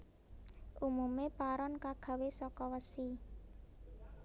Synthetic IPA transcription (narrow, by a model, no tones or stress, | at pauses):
ʔumumepaɾɔnkaɡ̥a̤wesɔkɔwəsi